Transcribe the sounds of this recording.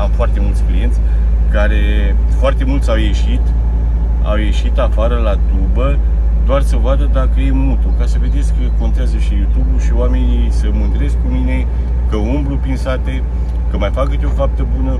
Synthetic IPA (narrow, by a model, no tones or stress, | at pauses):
amfoart̪e̞mult̪sʲklḭje̞nt̪sʲ | kaɾe | foart̪e̞mult̪sʲawje̞ʃit̪ | a̰wje̞ʃit̪afaɾəlat̪ubə | d̪oarsəvoad̪əd̪akəje̞mut̪ukasəve̞d̪e̞t̪skːəko̞nt̪eazəʃijut̪ubuʃioame̞nisəmɨnt̪ɾe̞sk̚kumine̞ | kəumbɾupinsat̪e̞ | kəmajfakət̪ʲo̞fap̚t̪əbunə